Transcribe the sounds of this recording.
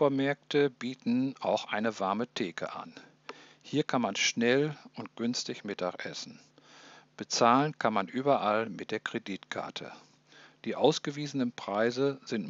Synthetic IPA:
foɐmɛɐk̚tʰəbiːtn̩ʔaʊxʔaɪnəvaɐmətʰeːkʰə̰ʔa̰n | hiːɐkʰanmanʃnɛlʔʊnt̚ɡ̥ʏnstɪçmɪtʰaxʔɛ̰sn̩ | b̥ət͡saːlənkʰanmanʔyːbɐʔalmɪt̚d̥eːɐkʁ̥ediːtkʰa̰ɐtʰə̰ | d̥iːʔaʊsɡ̥əviːzənənpʁ̥aɪzəzɪnt

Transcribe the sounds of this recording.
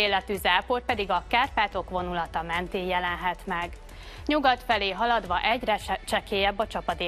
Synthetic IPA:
eːlɛt̪yzaːpoːr̚pɛd̪iɡɒkaːrpaːt̪o̞kʋo̞nulɒt̪ɒmɛnt̪eːjɛlɛnɦɛt̪mɛɡ | ɲuɡɒt̪fɛleːɦɒlɒd̪ʋɒʔɛɟrɛt͡ʃɛkeːjɛbːɒt͡ʃɒpɒd̪eː

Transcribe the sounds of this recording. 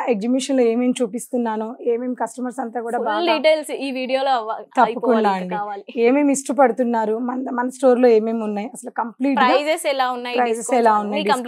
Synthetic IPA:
eɡ̚d͡ʒibiʂɐnloeːmeːmt͡ʃuːpist̪unːaːnueːmeːmkɐsʈɐmɐɾsɐnt̪aːkuːɽaːbaɖiʈeːlsiːʋiːɽijoːloʋat̪ɐpːukuɳɖaːɐɳɖiaːleːmeːmisʈup̬ɐɽut̪unːaːɾumɐnmɐnɐsʈo̞ːɾlo̞ːe̞ːmeːmunːaːjiɐsɐlukɐmpliːʈpɾɐajsesɛlaːunːaːjpɾɐsesɛlaːunːɐɖiɐm

